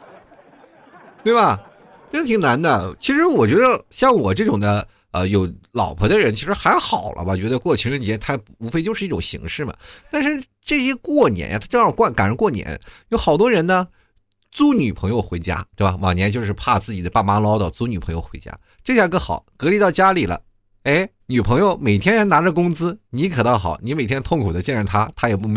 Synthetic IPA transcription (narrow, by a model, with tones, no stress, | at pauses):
t̪we˥˩ɪbɐ˩ | ʈ͡ʂʂt̪ʰŋna˧˥nd̪ə˧t͡ɕʰi˧˥ʂɻ̩˧˥wɔ˨˩t͡ɕɥɛ˧˥d̪ə˧ɕjɑ˥˩ŋwɔ˨˩ʈ͡ʂɤ˥˩ʈ͡ʂʊ˨˩ŋd̪ə˦ | ə˧jo˧˥ʊlɑ˨˩ʊpʰɤ˧˥d̪ə˧ɻə˧˥nt͡ɕʰi˧˥ʂɻ̩˧˥xa˧˥ɪxɑ˨˩ʊlʔə̰˦bɐ˧t͡ɕɥɛ˧˥d̪ə˧kwɔ˥˩t͡ɕʰi˧˥ŋɻə˧˥nt͡ɕjɛ˧˥t̪ʰa˥ | u˧˥fe˥˧ɪt͡ɕjʂɻ̩˥˧i˥˩ʈ͡ʂʊ˨˩ŋɕḭ˧˥ŋʂɻ̩˥˩mɐ̰˩t̪a˥˧nʂɻ̩˥˧ | ʈ͡ʂɤ˥˩ɕjɛ˥kwɔ˥˩njɛ̰˧˥nja̰˥˧a˥ʈ͡ʂɤ˥˧jɑ˥˧kwa˥˩nka˨˩nɻə˧˥nkwɔ˥˩njɛ̰˧˥njo˧˥xɑ˨˩ʊt̪wɔ˥ɻə˧˥nnə˧ | t͡su˥ny˨˩pʰɤ˧˥ŋjo˧ʊxwe˧˥ɪt͡ɕja̰˥t̪we˥˩bɐ˩wɑ̰˨˩ŋjɛ˧˥nt͡ɕo˥˧ʊʂ̬ɻ̩˥˧pʰa˥˧t͡sɹ̩˥˩t͡ɕi˨˩d̪ə˦pa˥˩ma˥lɑ˥ʊt̪ɑ˥˧˩t͡su˧˥ny˨˩pʰɤ˧˥ŋjo˥˧ʊxwe˧˥t͡ɕja̰˥ | ʈ͡ʂɤ˥˧ɕja˥˧kɤ˥˩xɑ̰˨˩˦ʊkɤ˧˥li˧˥t̪ɑ˥˩ʊt͡ɕja˥li˨˩lə̰˦ | e˥˩ɪ | ny˨˩pʰɤ˧˥ŋjo˥˧ʊme˨˩ɪt̪ʰjɛ˥nt͡sa˧˥ɪna˧˥ʈ͡ʂə˧kʊ˥ŋt͡sɹ̩˥ni˧˥kʰɤ˨˩t̪ɑ˥˩xɑ˨˩˦ʊni˧˥me˨˩ɪt̪ʰjɛ˥nt̪ʰʊ˥˩ŋkʰu˨˩d̪ə˦t͡ɕjɛ˥˧nɻə˥˩nt̪ʰa˥t̪ʰa˥jɛ˨˩pu˥˩